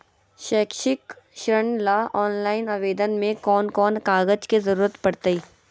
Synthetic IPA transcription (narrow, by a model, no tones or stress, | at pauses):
ʃɛːkʃɪk | ʃɾəɳlaʔɔːnlaːɪnaʋeːd̪ənmẽkɔːnkɔːnkaːɣəd͡ʒkezɐɾuːɾət̪pɐɽt̪eiː